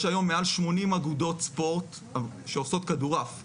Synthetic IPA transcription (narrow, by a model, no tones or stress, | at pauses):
ʃajo̞mːealʃmo̞nimaɡudo̞t̪spo̞ʁt̪ | ʃeoso̞t̪kaduʁaf